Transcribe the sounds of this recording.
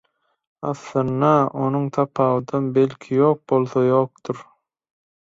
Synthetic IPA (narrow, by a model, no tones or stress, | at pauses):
ɑθlˠɑnːɑonuŋt̪ʰɑpʰɑːwɯd̪ɑnbelkʰijoːq̚bo̞lˠθɑjoːq̚t̪uɾ